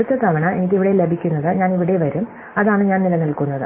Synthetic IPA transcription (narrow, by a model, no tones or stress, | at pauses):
ut̪ːɐt̪ɐʋɐɳɐenik̬ʲːiʋiɽele̞bʱikʲːunːɐðɨɲaːniʋiɽeʋɐɾum | ɐðaːɳɨɲaːnnilɐnilkunːɐðɨ̰